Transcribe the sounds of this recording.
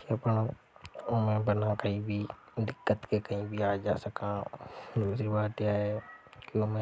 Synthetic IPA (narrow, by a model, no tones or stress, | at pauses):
kiɐpno | mẽbənakɐɦĩbʱi | d̪ɪkːət̪kekɐɦĩbʱiaːd͡ʒaːsəkãd̪uːsɾibaːt̪jaːɦɛkomɛ̃